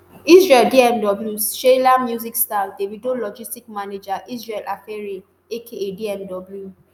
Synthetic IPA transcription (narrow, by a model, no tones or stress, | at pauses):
isɹɛldiɛmdɔbljuʃelamjuzikstadebidolɔd͡ʒistikmaned͡ʒaʔisɹɛlʔa̰fɛɹi | ekʰeediɛmdɔbulju